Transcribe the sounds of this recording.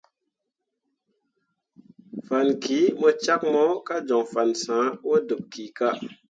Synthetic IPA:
fa˨nki˨˦mɔ˧t͡ʃa˦k̚mɔ˦ka˦d͡ʒɔ˨ŋfa˨nsãː˨˦wo˦du˨p̚ki˨˦ka˦

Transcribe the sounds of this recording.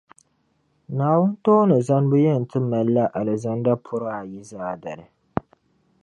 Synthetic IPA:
naː˨wʊ˦n˦toː˦nɨ˨za˦nbɨ˦jɛ˦n̩˨tɨ˦ma˨lːa˦ʔa˨lɨ˨za˦nda˦pʰʊ˦ɾaː˦˨ji˦zaː˦da˨ɾɨ˨

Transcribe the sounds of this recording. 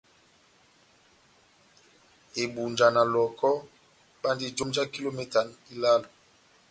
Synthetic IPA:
e˨ɓu˨nd͡ʒa˨na˨lɔ˨kɔ˦ | ɓa˦ndi˦d͡ʒo˦md͡ʒa˦ki˦lo˦mɛ˦ta˨ni˦la˦lo˨

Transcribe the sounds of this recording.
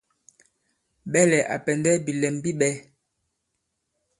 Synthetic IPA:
ɓɛ˦lɛ˨ʔa̰˨pɛ˨ndɛ˦bi˨lɛ˨mbi˦ɓɛ˦

